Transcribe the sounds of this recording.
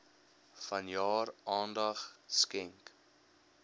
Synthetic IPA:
fɐnjɑːrʔɑːndɐχskɛŋk

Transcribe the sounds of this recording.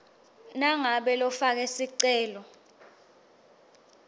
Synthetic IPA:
naŋaɓɛlɔfak̬ɛsiǀɛːlɔ

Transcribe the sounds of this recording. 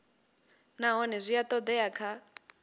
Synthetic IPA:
naɦɔnɛzʷijat̪ʼɔd̪ɛakʰa

